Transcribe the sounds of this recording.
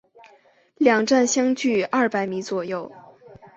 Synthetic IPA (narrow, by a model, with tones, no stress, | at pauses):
ljɑ˨˩ŋʈ͡ʂa˥˩nɕjɑ˥ŋt͡ɕy˥˩ɐ˥˩pa˧˥ɪmi˧˥t͡swɔ˨˩jo˥˩ʊ